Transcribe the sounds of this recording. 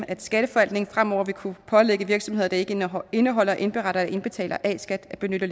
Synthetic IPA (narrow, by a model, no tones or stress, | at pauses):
æd̥sɡ̥æɾ̥əfɒ̽æl̰d̥ne̝ŋ̩fʁam̰ɒ̰ɐʋikʰupʰɒ̽leɡ̥əʋiɐɡ̥sɒ̽mhe̝ð̰ˠɐd̥ɑ̈e̝ɡ̥əe̝nəɦɒ̽l̰ɐʔe̝nb̥e̝ʁɑ̈ɾ̥ɐd̥æe̝nb̥e̝t͡sʰɛ̰ːlɐʔɛ̰sɡ̥æd̥b̥e̝nøɾ̥ɐl